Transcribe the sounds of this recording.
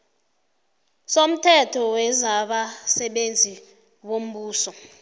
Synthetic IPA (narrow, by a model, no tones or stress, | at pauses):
som̩tʰɛtʰɔwɛzaɓasɛɓend͡zʱi | wom̩ɓuːsɔ